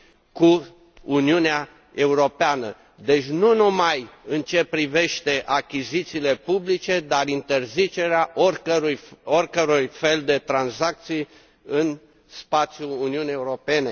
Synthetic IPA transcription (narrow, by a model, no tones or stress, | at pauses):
ku | uniunea | e̞uɾo̞peanə | d̪e̞t͡ʃʲnunumajɨnt͡ʃe̞pɾive̞ʃt̪e̞ʔakʲizit̪siːle̞publit͡ʃe̞d̪arint̪e̞rzit͡ʃe̞ɾeaʔorʲəɾujorʲkəɾujfe̞ld̪e̞t̪ɾanzak̚t̪sij | ɨn | spat̪sʲjuuniunijeuɾo̞pe̞ne̞